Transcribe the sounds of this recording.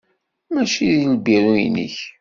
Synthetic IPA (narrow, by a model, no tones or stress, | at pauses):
mæt͡ʃiðilbiɾujḭnḭç